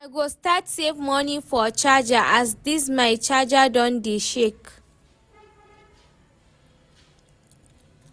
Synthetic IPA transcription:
ajɡostatsevmɔnifɔt͡ʃad͡ʒaʔasdis̬maɪt͡ʃad͡ʒadɔ̃ndeʃek

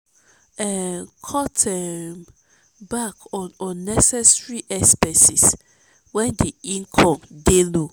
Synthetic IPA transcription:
ɛkʰɔtɛm | bakɔnɔnːɛsɛsɹiʔɛspɛsis | wɛndiĩŋkʰɔ̃mdelo

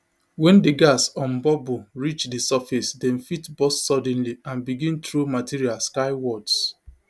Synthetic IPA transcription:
wɛ̃ndeɡasɔ̃mbɔboɹit͡ʃdesafisdɛ̃nfitbɔsːɔdɛ̃nliãnbiɡĩntɹumatiɹialskaɪwɔds

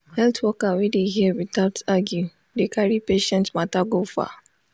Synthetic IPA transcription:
hɛltwɔkawɛdeɦiəwitaʊtaɡju | dekaɹipeʃɛ̃ntmataɡofa̰

